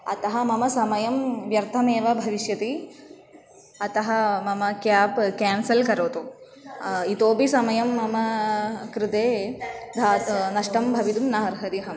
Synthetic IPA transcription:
ɐ̰t̪ɐɦɐmɐmɐsɐmɐjɐmʋjɐɾt̪ʰɐmeːʋɐbʱɐʋiʃjɐt̪i | ɐt̪ɐɦɐmɐmɐkjaːpkaːnsɐlkɐɾoːt̪u | it̪oːbisɐmɐjɐmːɐmɐkɾɪt̪eːd̪ʱaːt̪nɐʂʈɐmbʱɐʋit̪umnaɦɐɾɦɐɾiɦɐm

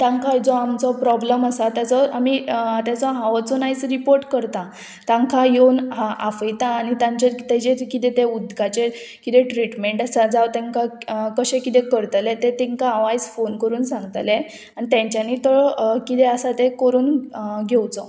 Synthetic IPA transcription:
t̪ãŋkad͡zɔamt͡sɔpɾɔbləməsat̪jat͡sɔamit̪jat͡sɔɦãʋət͡sɔnait͡sɾipoɾʈkəɾt̪a | t̪ãŋkʰajonɦaafəjt̪aːnit̪ãɲt͡ɕeɾt̪ɛd͡ʑekit̪et̪eud̪ɡat͡ɕe | kit̪eʈɾiʈmeɳʈəsad͡zawt̪ẽŋkakəɕẽkit̪ekəɾt̪let̪et̪eŋkaːʋajd͡zfonkəɾuːnsãŋɡt̪le | anit̪jãɲt͡ɕjaniːt̪əɭkit̪eəsat̪ekəɾuːnɡʱewt͡sɔ

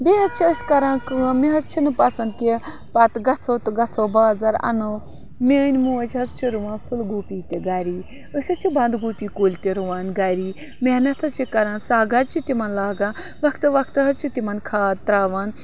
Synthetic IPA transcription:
beɦɐt͡ʃʰiəsʲkɐɾãːkɨãmeɦɐt͡ʃʰinɨpɐsɐnd̪̚kʲe | pɐt̪ɡɐt͡sʰoːt̪ɨɡɐt͡sʰoːbaːzɐɾɐ̰no | meːnʲmuːɐt͡ʃʰʲɦɐzt͡ʃʰiɾuʋãːnfʰɨlɡoːpʲiːt̪eɡɐɾiː | əsʲɐt͡ʃʰibɐnd̪ɡuːpʲiːkoːlʲt̪eɾuʋaːnɡɐɾiː | menɐt̪ʰɐt͡ʃʰikɐɾãːnsaːɡɐt͡ʃʰit̪ʲimɐnlaːɡãː | ʋɐkʰt̪ɨʋɐkʰt̪ɨɦɐzt͡ʃʰit̪imɐnkʰaːt̪ɾaːʋaːn

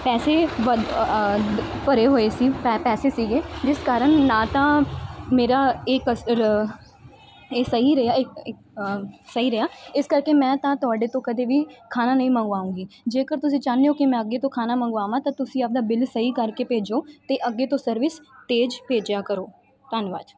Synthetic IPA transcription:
pɛːseːʋə | pəɾeːɦoːeːsiːpɛːseːsiːɡeːd͡ʒɪskaːɾəɳnãːt̪ãːmeːɾaːek | eːsəɦiːɾəjaːɪk | səiːɾəɦjaːɪskəɾkeːmɛ̃ːt̪ãːt̪ʊaːɖeːt̪õːkəd̪eːʋiːkʰaːnaːnəĩːmə̃ŋɡʋaːũːɡiːd͡ʒeːkəɾt̪ʊsĩːt͡ʃaːneːoːkɪmɛ̃ːəɡːeːt̪õːkʰaːnaːmə̃ŋɡaːʋãːt̪ãːt̪ʊsĩːəp̚d̪aːbɪlsəiːkəɾkeːpeːd͡ʒoːt̪eːʔəɡːeːt̪õːsəɾʋɪst̪eːd͡ʒpeːd͡ʒjaːkəɾoː | ʈ̪ənʋa̰ːd͡ʒ

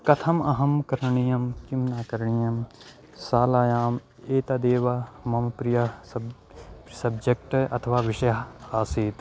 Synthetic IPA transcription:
kɐt̪ʰɐmɐɦɐmkɐɾɳijɐmkimnaːkɐɾɳijɐm | saːlaːjaːm | eːt̪ɐd̪eːʋamɐmpɾijɐ | sɐbd͡ʒek̚ʈɐ̰t̪ʰɐʋaːʋiʃɐjɦaːsiːt̪

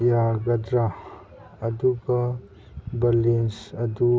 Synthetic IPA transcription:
jaɡɐdɾaː | d̪uɡɐ | bɐlinsɐd̪u

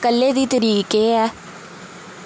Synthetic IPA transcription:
kəlːeːd̪iːt̪əɾiːkeːɛː

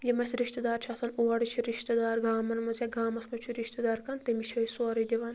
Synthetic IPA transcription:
lʲimɐsɾiʃt̪ɐd̪aːɾt͡ʃʰasɐnuwɐɽit͡ʃʰiɾiʃt̪ɐd̪aːɾɡaːmɐnmɐzʲjaɡaːmɐsmɐt͡ʃʰuɾiʃt̪ɐd̪aːɾkɐnt̪emiʃʰɐisoːɾid̪ʲiʋɐn

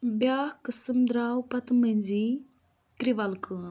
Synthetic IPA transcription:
bjaːhkɨsɨmd̪ɾaːwpɐt̪mənʲzi | kɾiʋɐlkɨ

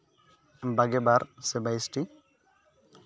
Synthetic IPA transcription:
baɡɛbaɾsebajsʈi

